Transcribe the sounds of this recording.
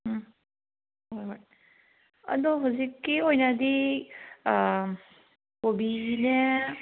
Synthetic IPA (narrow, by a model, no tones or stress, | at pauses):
ojoj | ɐ̰d̪ɔɦawzikːiojnad̪i | kobine